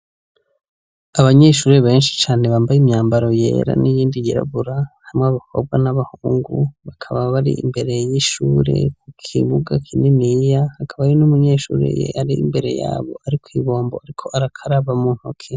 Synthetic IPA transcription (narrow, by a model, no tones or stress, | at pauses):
aβaɲe̞ʃuːɾeβe̞ːnʃi̥t͡ʃaːneβaːmbajimɲaːmbaɾo̞jḛːɾa̰nijiːndijiɾa̰βuɾahamŋeβakʰob̚ɡwanaβahuːŋɡuβakʰaβaβaɾḭḭmbe̞ɾe̞jiʃuːɾe̞̰kukʰiβuɡakʰininijahakʰaβajonumuɲe̞ːʃṵːɾḛjḛʔaɾiimbe̞ɾe̞̰ja̰ːβo̞̰aɾikʰwiːβo̞ːmbo̞aɾikʰo̞ʔaɾakʰaɾaβamuːn̥hukʰe